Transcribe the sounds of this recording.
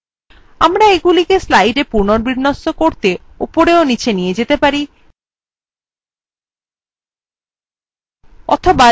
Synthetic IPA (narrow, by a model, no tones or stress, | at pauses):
amɾaeɡulikeslajɖepuɾnoɾbiɾnosːokoɾt̪e | upoɾeonit͡ɕʰenijed͡ʑet̪epaɾi | ɔt̪ʰoba